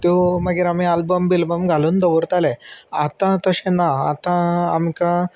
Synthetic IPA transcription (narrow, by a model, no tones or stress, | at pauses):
t̪oməɡiɾamialbəmbilbəmɡʱaluːnd̪əʋəɾt̪aleat̪ãt̪əɕẽnːaat̪ã̰ːmikã